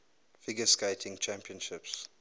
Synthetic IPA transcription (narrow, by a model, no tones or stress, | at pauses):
fiɡəskeɪtʰɪ̃ŋt͡ʃʰæ̃mpiə̃nʃɪps